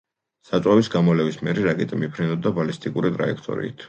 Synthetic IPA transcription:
sat̪sʼwavisɡamɔlɛvismɛɾiɾakʼɛt̪ʼimipʰɾinɔb̚d̪abalist̪ʼikʼuɾit̪ʼɾa̰ɛkʰt̪ʼɔ̰ɾḭːt̪ʰ

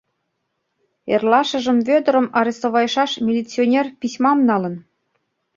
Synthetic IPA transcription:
erlɑʃə̆ʒə̆mβød̪ə̆ɾə̆mɑɾʲest̪oβɑjʃɑʃmʲilʲit͡sːionʲerpʲisʲmɑmnɑlə̆n

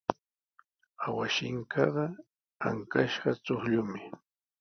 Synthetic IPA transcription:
awaʃɪŋkʰɑɢɑ | a̰ŋkaʃɢɑt͡soχʎʊmɪ

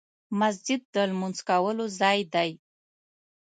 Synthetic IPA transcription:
mas̬d͡ʒɪd̪̚ːəlmunzkawəlozɑjd̪aj

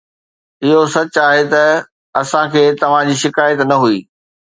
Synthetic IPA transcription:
ɪɦosɐt͡ɕaːɦet̪ɐ | ɐsãkʰeːt̪ɐʋ̤ãd͡ʑiːʃɪkaːjət̪nɐɦuiː

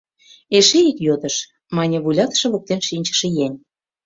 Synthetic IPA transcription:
eʃeikjod̪ə̆ʃ | mɑnʲeβulʲɑt̪ə̥̆ʃɤ̆βok̚t̪enʃinʲt͡ɕə̥̆ʃĕjenʲ

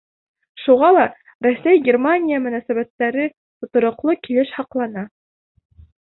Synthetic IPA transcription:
ʃuʁɑlˠɑ | ɾæsæjɡʲermanʲijamɵ̆næsæβæt̪ːæɾɘ | t̪ŏt̪ŏɾŏqlˠokilɘʃhɑqlˠɑnɑ

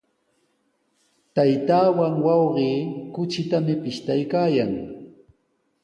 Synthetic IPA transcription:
t̪ajt̪aːwaŋwɑwɢiːkʊt͡ʃɪt̪amɪpɪʃt̪ajkaːjaŋ

